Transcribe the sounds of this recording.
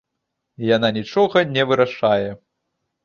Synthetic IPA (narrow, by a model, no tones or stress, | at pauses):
jananʲit͡ʂɔɣɐnʲɛvɨɾaʂajɛ